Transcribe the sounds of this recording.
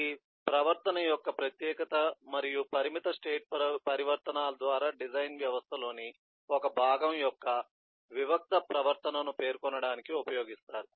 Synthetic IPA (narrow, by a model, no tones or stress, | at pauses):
iː | pɾɐʋɐɾt̪ɐnɐjɔkːɐpɾɐt̪jɛːkɐt̪ɐmɐɾijupɐɾimit̪ɐsʈeːʈ̚ppɐɾiʋɐɾt̪ɐnaːlɐd̪ʋaːɾaːɖid͡ʒɐjnʋjɐʋɐst̪ʰɐlo̞ːni | ɔkɐbʱaːɡɐmjɔkːɐ | ʋiʋɐk̚t̪ɐpɾɐʋɐɾt̪ɐnɐnupe̞ːɾkɔnɐɽaːnikiupɐjo̞ːɡist̪aːɾu